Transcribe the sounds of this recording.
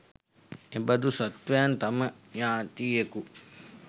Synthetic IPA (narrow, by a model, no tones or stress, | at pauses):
ebad̪usat̪ʋejant̪aməjaːt̪iːeku